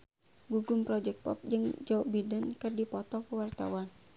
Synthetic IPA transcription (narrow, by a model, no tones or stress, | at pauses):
ɡuɡumpɾɔd͡ʒɛk̚pɔ̰p̚d͡ʒɨŋd͡ʒɔbidankɨrdipɔt̪ɔkəwart̪a̰wan